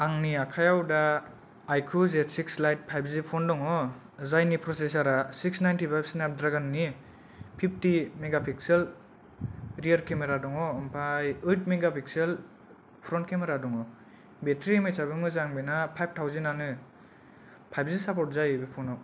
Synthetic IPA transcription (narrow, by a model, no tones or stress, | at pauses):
aŋniakʰajawdaː | jkʰuzetsikslajt̚pʰajbzipʰɔndɔŋɔ | zajnipɾɔses̬aɾasik̚snajntipʰajbsnap̚dɾaɡanːi | pʰip̚ʰtimeɡapʰiksel | ɾiaɾkemeɾadɔŋɔːmpʰajɯt̚ʰmeɡapʰik̚sel | pʰɾɔntkemeɾadɔŋɔ | betɾimejsabɯmɯzaŋbinapʰajb̚tʰawzenanɯ | pʰajb̚ʰzisapɔɾt̚zajbipʰɔnɔ